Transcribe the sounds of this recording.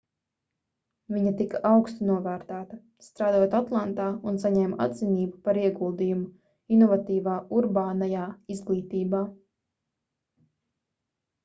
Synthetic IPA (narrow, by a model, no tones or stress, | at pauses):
viɲat̪ikaʔawkst̪unuɔvæːɾt̪æːt̪ɐ | st̪ɾaːd̪oɔt̪at̪lˠant̪aːunsaɲɛːma̰d̪ziniːbupaɾiɛɡulˠd̪ijumu | inɔvat̪iːvaːuɾbaːnajaːizɡlˠiːt̪iːbaː